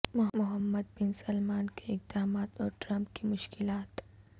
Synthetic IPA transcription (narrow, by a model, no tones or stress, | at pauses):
mʊɦmʊɦəmːəd̪̚bɪnsɐlmaːnkeɪq̚d̪aːmaːt̪ɔːɾʈɾɐ̃mpkimʊʃkɪlaːt̪